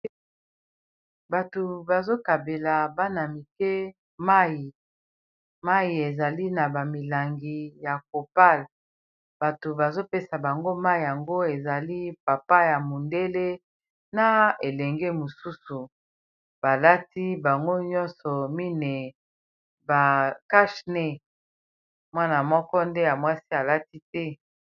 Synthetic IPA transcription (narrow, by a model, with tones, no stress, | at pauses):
ba˨to˨ba˨zo˦ka˨be˨la˨ba˦na˨mi˨kɛ˦ | ma˦ji˨ | ma˦ji˨e˨za˨li˦na˨ba˨mi˨la˨ŋɡi˨ja˨k̚o˨pa˦˨l | b̥a˨to˨ba˨zo˦pe˦sa˨ba˨ŋɡo˦ma˦i˨ja˨ŋɡo˦e˨za˨li˦pa˨pa˦ja˨mo˨nde˦le˦ | na˦e˨lɛ˨ŋɡe˦mo˨su˦su˨ | b̥a˨la˦ti˦ba˨ŋɡo˦ɲɔ˦nsɔ˨mi˦ne˨ | ba˨ka˦ʃne˦ | mwa˦na˨mɔ˦kɔ˦nde˦ja˨mwa˦si˦a˨la˦ti˦tɛ˦